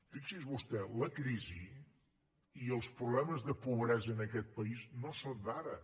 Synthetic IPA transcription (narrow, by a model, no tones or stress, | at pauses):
fiksizβust̪ɛləkɾizi | iəlˠspɾuβlɛməzðəpuβɾɛzəːnəkɛt̪̚pəiznosond̪aɾə